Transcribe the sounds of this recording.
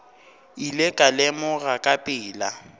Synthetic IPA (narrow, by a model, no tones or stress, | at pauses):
ilekʼalɛmʊɣakʼapʼɪːla